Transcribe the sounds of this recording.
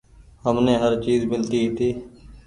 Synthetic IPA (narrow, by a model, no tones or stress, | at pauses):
ɦəmneːɦəɾt͡ʃiːzmɪlt̪iːiːt̪ʰiː